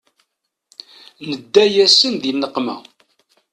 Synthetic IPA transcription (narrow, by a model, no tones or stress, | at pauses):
nəd̪ːæjæsənðinːəqmæ̰